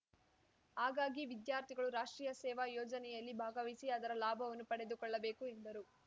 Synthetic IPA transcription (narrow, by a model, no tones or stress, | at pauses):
aːɡaːɡiʋid̪jaːɾt̪ʰiɡɐɭuɾaːʂʈɾiːjɐsɛːʋajɔːd͡ʒɐnɛjɐlːibʱaːɡɐʋisiɐd̪ɐɾɐlaːbʱɐʋɐnːupɐɽe̞d̪ukɔɭːɐbe̞ːkuend̪ɐɾu